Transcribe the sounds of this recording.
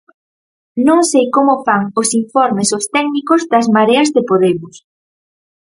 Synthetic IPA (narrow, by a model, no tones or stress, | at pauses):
nõŋsejkomʊfaŋosiɱfɔɾmesost̪ɛknikozðɐzmaɾeɐzðɪpoð̞emʊs